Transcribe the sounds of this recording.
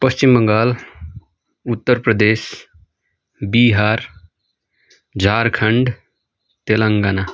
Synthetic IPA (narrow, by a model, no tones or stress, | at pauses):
pəst͡ʃimbəŋɡaːl | ut̪ːəɾpɾəd̪eːs | biɦaːɾ | d͡ʒʱaːɾkʰəɳɖ | t̪elaŋɡaːna